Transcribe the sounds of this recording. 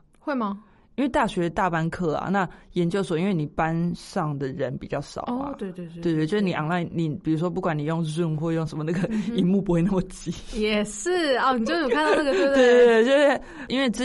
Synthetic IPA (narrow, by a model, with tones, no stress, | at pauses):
xwe˥˩ɪmɐ˨ | i˦nwe˥˧ɪt̪a˥˩ɕɥɛ˧t̪a˥˨pa˦nkʰɤ˥˩a̰˩na˥˩jɛ˦˥nt͡ɕjo˥˧ʊswɔ˨˦i˦nwe˥˩ni˨˩pa˦˥nʂɑ˥˩ŋd̪ə˩ɻə˨˦npi˨t͡ɕjɑ˥˩ʊʂɑ̰˨˩˦ʊt̪we˥˧ɪwe˥˧we˥˧t̪we˥˩t͡ɕjʂ̩˥˧ni˨ʔa̰˨ŋla˥˩ɪni˨˩pi˨˩ɻu˧˥ʂ̬wɔ˦˥p̬u˥˩kwa˨˦ni˨˩jo˥˧ŋzu˥˩ŋxwɔ˥˧jo˥˩ŋʂə˧˦nmə˧na˥˩ɡə˨i˧˦nmu˥˧˩pu˧˦xwe˧ɪna˥˩mə˩t͡ɕi˧˥˦jɛ˨˩ʂɻ̩˥˩ɔ˥˩ni˨˩t͡ɕo˥˧˥d̪na˥˩ɡə˥˧we˥˧˥e˥˩t͡ɕjo˥˧˥ | i˥nwe˥˩ɪt͡s̩˥